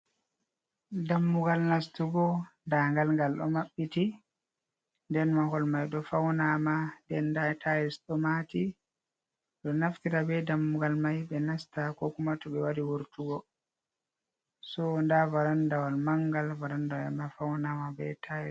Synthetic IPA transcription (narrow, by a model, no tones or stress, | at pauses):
damːuɡalnastuɡɔndaŋɡalŋɡalɗɔ̰maɓːiti | ndɛnmahɔlmajɗɔfawnamandɛndatʰajɛsɗɔmati | ɗɔnaftiɾabɛdamːuɡalmajɓɛnastakɔkumatuɓɛwadiwuɾtuɡɔ | sɔndavaɾandawalmaŋɡalvaɾandawamafawnamabɛtʰajɛ